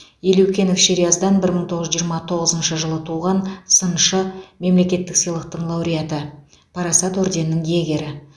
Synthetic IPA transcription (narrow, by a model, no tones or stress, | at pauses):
jeluwkʲe̞nofʃeɾijazd̪ɑnbɪɾməɴt̪ʰoʁəʒʒijːɾmɑt̪ʰo̞ʁəzənʃəʒəlˠət̪ʰuʁɑnsənʃəme̞mle̞kʲe̞t̪ːɪksijlˠəq̚t̪əɴlˠɑwɾʲijat̪ə | pʰɑɾɑsɑt̪ɵɾd̪e̞nːɪŋjeɡʲe̞ɾɪ